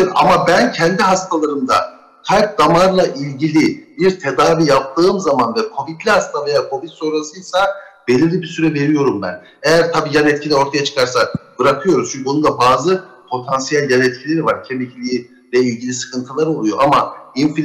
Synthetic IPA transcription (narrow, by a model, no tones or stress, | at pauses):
a̰mabæncʰɛnd̪iɦast̪ʰalˠaɾɯmd̪a̰ | t̪ʰajp̚d̪amaɾlˠaʔilʲɟilʲibiɾt̪ʰe̞d̪aːvijap̚t̪ʰɯːmzamanvɛkʰo̞vit̪lʲihast̪ʰave̞jaːkʰo̞vit̪so̞ɾasɯjlˠsabelʲillʲibisyɾɛve̞ɾijo̞ɾumbæ̰n | ejæɾt̪ʰabiːjanɛt̪̚cʰilʲɛo̞ɾt̪ʰajat͡ʃʰɯ̥kʰaɾsab̥ɯɾakʰɯjo̞ɾumt͡ʃʰyɲcʰionud̪abaːzɯpʰo̞t̪ʰansijælʲjanɛt̪cʰilʲe̞ɾivaɾcʰemʲicʰlʲiji | lʲɛilʲɟilʲisɯ̥kʰɯnt̪ʰɯlˠaɾo̞lˠujo̞ʔamainfi